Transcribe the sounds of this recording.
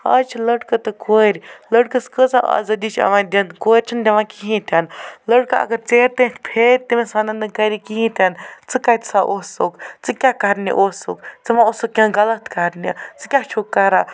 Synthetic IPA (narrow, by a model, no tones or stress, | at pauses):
ɐ̰t͡ʃʰiləɖkɐt̪ɨkʰoːɾʲləʈkɐskət͡saa̰zɐd̪it͡ʃʰɐ̰ʋãːd̪ʲɐnkoːɾʲt͡ʃʰind̪ɐʋãkiɦĩt̪ʰʲanləʈ̚kɐɐ̰ɡɐɾt͡seːɾt̪ẽːt̪ʰʲpʰeːɾʲt̪imesanɐnd̪ɨkɐɾikiɦĩt̪ʲɐnt͡sɨkat̪ʲsaʔoːsokt͡sɨkʲakɐɾnḭʔoːso̰kt͡sɨʋãosukːʲɐ̃ɡɐlɐt̪kɐɾnit͡sɨkʲaːt͡ʃʰukːɐɾaː